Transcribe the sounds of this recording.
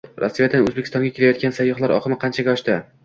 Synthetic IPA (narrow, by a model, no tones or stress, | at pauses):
ɾʔasːijad̪annozbekʲʰɪst̪ɒŋɡʲakʲelajɒt̪kʲansajːɒχlˠaɾɒ̰qʰɨmɪqʰɑnt͡ʃʰaɡʲaɒʃt̪ɪ